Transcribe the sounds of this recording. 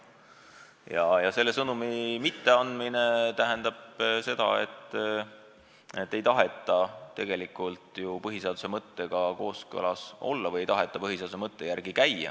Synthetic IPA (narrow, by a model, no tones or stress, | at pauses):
jɑjɑse̞lːe̞sɤnumimit̪ːe̞ɑnd̪mine̞t̪æɦend̪ɑb̥se̞d̪̥ɑ̰e̞̰t̪ˑː | e̞t̪ːe̞jt̪ɑɦe̞t̪ˑːɑt̪e̞ɡ̥e̞likˑult̪jupɤɦise̞ɑd̪̥u̥se̞mɤt̪ːe̞ɡ̥ɑko̞ːskɤ̰lɑso̞̰lːɑvɤjejt̪ɑɦe̞t̪ˑːɑpɤɦiseːd̪u̥semɤt̪ːe̞jærɡ̥ikæjːɑ̰